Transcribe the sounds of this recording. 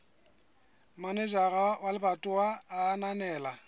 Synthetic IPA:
maned͡ʒarawalɪbatʼʊwaːnanɛːla

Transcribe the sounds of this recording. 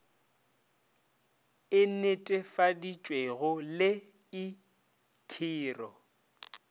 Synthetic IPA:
ɪnetʼɛfadit͡ʃʼweɣʊlɪ | ɪ | kʰiːrɔ

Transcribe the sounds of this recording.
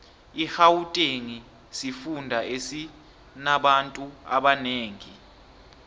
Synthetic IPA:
ihawutʼeŋi | sifundʱaʔesi | naɓantʼua̰ɓaneːŋi

